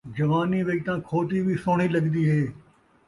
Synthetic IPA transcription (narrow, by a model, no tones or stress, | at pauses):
d͡ʒɐʋaːniːʋet̪ãːkʰoːt̪iːbʱiːsoːɳ̃iːləɡd̪iːɦeː